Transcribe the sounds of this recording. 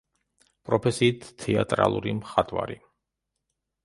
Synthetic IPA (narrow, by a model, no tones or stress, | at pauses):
pʼɾɔpʰɛsiːt̪ʰːɛat̪ʼɾa̰lˠuɾimχat̪ʼvaɾi